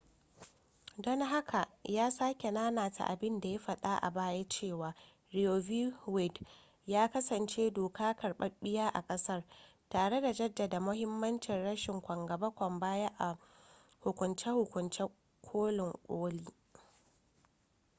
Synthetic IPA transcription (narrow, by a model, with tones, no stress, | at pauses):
dɔ˦ŋɦa˦kʰa˨ʔjaː˦saː˦kʲe˨naː˦naː˨ta̰˨ʔa̰˨bɪ˦nda˨ja˦ɸɐ˨ɗa˦ʔa̰˨baː˦ja˦t͡ʃeː˦˨waː˨ | ɽɪ˨o˨vi˦wɪ˦˨d | jaː˦kɐ˦sɐ˨nt͡ʃeː˦doː˨kʰaː˦kɐ˨rɓɐ˦ɓɪ˦jaː˦ʔa˨kʼɐ˦sɐ˦r | taː˨ɽe˦da˨d͡ʒɐ˦dːa˨da˨mʊ˦hɪ˦mːɐ˦nt͡ʃɪ˨nɽɐ˦ʃɪ˨ŋkʷɐ˨ŋɡɐ˨bɐ˦kʷɔ˨mbaː˦ja˦ʔa˨ | hʊ˨kʷʊ˨nt͡ʃɛ˦hʊ˨kʷʊ˨nt͡ʃɛ˦ | kʷʰoː˦lɪ˨ŋkʷʼoː˦liː˦